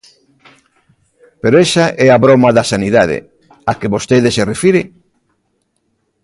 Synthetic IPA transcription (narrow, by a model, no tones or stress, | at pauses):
peɾoesaʔɛaβɾomɐðɐsaniðaðḛ | akeβost̪eðeserefiɾe